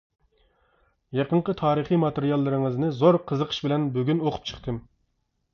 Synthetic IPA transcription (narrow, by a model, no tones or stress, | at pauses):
jɑqəɴqət̪ʰɑːɾɨχimɑt̪eɾijɑlˠːɨɾɨŋɨznɨzoɾqʰəzəqʰə̥ʃbɪlɛnbyɡʲynoqʰʊ̥p̚t͡ʃʰə̥χt̪ʰɨm